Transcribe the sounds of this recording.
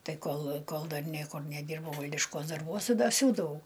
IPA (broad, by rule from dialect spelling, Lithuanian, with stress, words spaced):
ˈtɐɪ ˈkoːlˠ ˈkoːlˠ ˈdɐr ˈnʲiɛkʊr nʲɛˈdʲiːrbɐʊ ˈʋɐlʲdʲɪʃkuɔs dɐrˈbuɔs tʲɪ dɐ ˈsʲuːdɐʋɐʊ